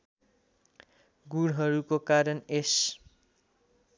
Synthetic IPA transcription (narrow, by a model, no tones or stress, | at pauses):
ɡuɽɦʌɾukokaɾʌnes